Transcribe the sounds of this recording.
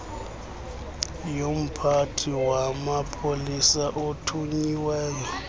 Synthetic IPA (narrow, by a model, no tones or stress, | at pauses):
jom̩pʰatʰiwamapʰolisaʔotʰuɲiwɛːjɔ